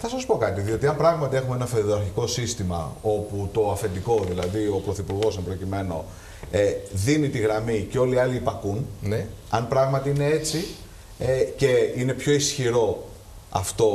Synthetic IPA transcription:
θɐsɐspo̞kɐt̪iðio̞t̪iɐmpɾɐɣmɐt̪ie̞xumee̞nɐfeðoɐɾçiko̞sist̪imɐ̰o̞put̪o̞ɐfe̞nd̪iko̞ðilɐðio̞pɾo̞θipuɾɣo̞sɐmpɾo̞cime̞no̞̰ | eðinit̪iɣɾɐmiceo̞liɐliːpɐkunn | ɐnpɾɐɣmɐt̪iine̞e̞t͡si | ece̞ine̞pço̞isçiɾo̞ | ɐft̪o̞

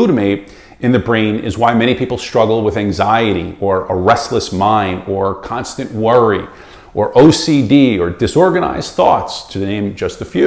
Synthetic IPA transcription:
uɾɨmeɪɾ | ɨ̃nðɨbɹẽɪ̃nɪ̰zwaɪmɛ̃ñipʰipl̩ˠstɹ̥ʌɡl̩ˠwɨðæ̃ŋzaɪɨɾḭə˞əɹɛstˡləsmãɪ̃ndə˞kʰɑ̃nstɨ̃nʔwɜ˞i | ʔə˞ʔoʊsidiə˞dɨsɔɹɡɨna̰ɪz̥θɔ̰tstʰɨðɨnẽɪ̃md͡ʒʌst̪̚ðɨfjʉ

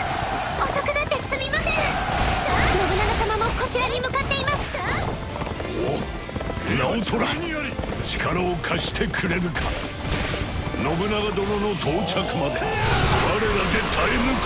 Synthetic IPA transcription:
osokɯ̟d̪at̪ːe̞̥ɨmʲimasẽsano̞bɯ̟naɡasamamoko̞t͡ɕiɾaɲ̟imɯ̟kat̪ːe̞imasɨ̥ka | o | nat̪ʰoɾaioɾi | t͡ɕi̥kaɾaokʰaɕi̥t̪ʰe̞kʰɯ̟ɾe̞ɾɯ̟kʰa | no̞bɯ̟naɡad̪o̞nono̞t̪o̞ːt͡ɕakɯ̟mad̪ewaɾe̞d̪ake̞t̪ʰaimɯk

